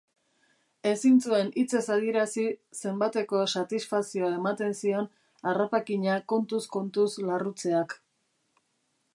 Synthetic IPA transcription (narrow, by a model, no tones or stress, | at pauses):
e̞sint͡sue̞nit͡se̞saðie̞ɾasise̞mbat̪e̞ko̞sat̪isfasio̞ae̞mat̪e̞nsio̞n | arapakiɲako̞nt̪usko̞nt̪uslarut͡se̞ak